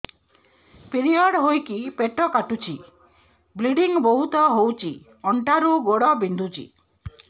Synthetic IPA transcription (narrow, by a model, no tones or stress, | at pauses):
piɾiɔɽɦojkipeʈɔkaʈut͡ʃʰi | bliɽiŋbɔɦut̪ɔɦowt͡ʃʰi | ɔɳʈaɾuɡoɽɔbind̪ʱut͡ʃʰḭ